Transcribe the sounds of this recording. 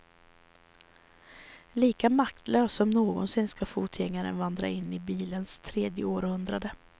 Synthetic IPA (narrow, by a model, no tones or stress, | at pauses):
liːkamak̚t̪løːsɔmnoːɡɔ̰nsɪnːskafuːt̪ʰjɛŋːaɾə̰nvand̪ɾa̰ɪnːɪbiːlənst̪ʰɾeːd̪jəoːɾhɵnd̪ɾad̪ə